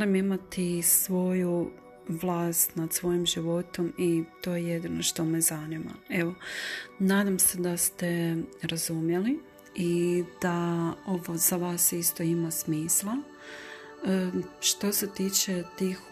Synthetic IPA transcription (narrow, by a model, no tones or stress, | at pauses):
limimat̪isʋo̞ju | ʋlˠaːst̪nad̪sʋo̞jimʒiʋo̞t̪o̞mit̪o̞ːjejed̪ino̞ʃt̪o̞mezanima̰e̞ʋo̞naːd̪amse̞d̪ast̪e̞ɾazumje̞li | id̪̥ao̞ʋo̞z̥aʋaːsist̪o̞imasmiːslˠa | ʃt̪o̞se̞t̪iːt͡ʃe̞t̪iːx